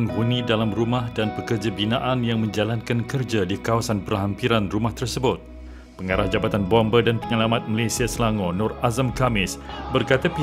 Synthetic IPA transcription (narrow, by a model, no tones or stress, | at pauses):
nɦunidalamrumahdanpəkərd͡ʒabinãʔanjaŋmə̃ɲd͡ʒalankankərd͡ʒadikawasanpərɦampiɾanrumaht̪ərsəbʊt̪̚ | pəŋaɾahd͡ʒabat̪anbɔmbədanpəŋalamat̪̚malasiasəlaŋɔnɔrazamkamɪsbərkat̪api